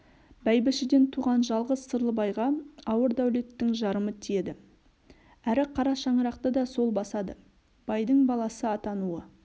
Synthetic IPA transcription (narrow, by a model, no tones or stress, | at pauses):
bæjbɪʃɪd̪e̞nt̪ʰuʁɑnʒɑlˠʁəzsəɾlˠəbɑjʁɑɑwəɾd̪æwle̞t̪ːɪŋʒɑɾəmət̪ʰije̞d̪ɪ | æɾɪqʰɑɾɑʃɑɴəɾɑq̚t̪əd̪ɑso̞lˠbɑsɑd̪ə̰ | b̥ɑjd̪əɴbɑlˠɑsəɑt̪ɑnuə